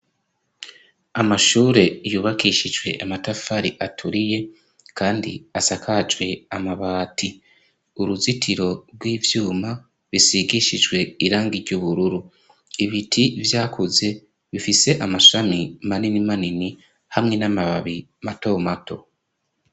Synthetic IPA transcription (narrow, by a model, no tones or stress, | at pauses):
amaʃuːɾe̞juːβakiʃid͡ʒɡwe̞ʔamatafaɾiʔatʰuɾije̞ | kʰaːndḭasakʰad͡ʒwe̞amaβaːtʰi | uɾuzitʰiɾo̞ɾɡwiːvjuːma | βisiɡiʃid͡ʒɡwe̞iɾaːŋɡiɾɟuβuɾuɾu | iβitʰivjaːkʰuze̞ | βifise̞ʔamaʃamimaninimanini | hamŋe̞namaβaβi | mato̞ːmato̞̰